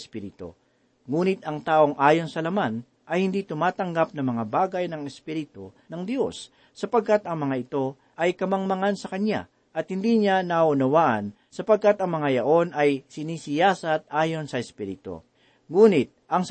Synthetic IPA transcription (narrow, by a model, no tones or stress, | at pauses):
spiɾɪt̪o̰ | ŋuːnɪt̪ɐŋt̪aːʔo̞ŋʔaːjo̞nsɐlɐman | ʔɐjhɪnd̪it̪ʊmaːt̪ɐŋɡap̚nɐŋmɐŋabaːɡɐjnɐŋɛspiɾɪt̪onɐŋd̪jo̞sː | ɐpɐɡ̚kat̪ɐŋmɐŋaɪt̪o̞ | ʔɐjkɐmɐŋmɐŋansɐkɐnja̰ | ʔɐt̪̚hɪnd̪iɲanɐʔʊnɐwaːʔɐn | sɐpɐɡ̚kat̪ɐŋmɐŋajɐʔo̞nɐjsɪniːsɪjaːsɐt̪̚ʔaːjo̞nsɐɛspiːɾɪt̪o̰ | ŋuːnɪt̪̚ʔɐŋs